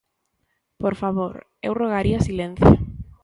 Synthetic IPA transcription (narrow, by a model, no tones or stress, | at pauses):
poɾfaβoɾ | ḛwroɣaɾiasilẽn̟θjo